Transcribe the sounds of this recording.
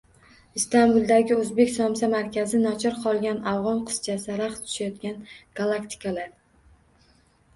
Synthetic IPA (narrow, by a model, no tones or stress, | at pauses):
ist̪ambulˠd̪aɡʲɪɵzbe̞kʲsɒmsamaɾkʲʰazɪnɒt͡ʃʰɒɾqʰɒlˠɡʲanavʁɒnqʰɨ̥st͡ʃʰasɪɾaχt̪ʰʊ̥ʃajɒt̪̚kʲanɡ̥alˠakt̪ʰɪ̥kʰalaɾ